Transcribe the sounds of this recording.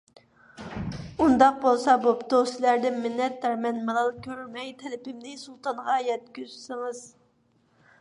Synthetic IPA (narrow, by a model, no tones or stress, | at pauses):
und̪ɑq̚bolˠsɑbopt̪ʰoslæɾd̪ɪnmɪnːɛt̪ːæɾmɛnmɨlˠɑlˠkʲʰøɾyɾmɛjt̪ʰɛlɪpɪmnɪsulˠt̪ʰɑnʁɑjɛt̪kʲyzsɨŋɨz̥